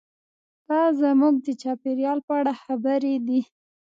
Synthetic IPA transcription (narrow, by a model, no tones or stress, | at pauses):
d̪̥ɑzamuɡ̚d̪ət͡ʃɑpeɾjɑlpəaɽaxabəɾed̪i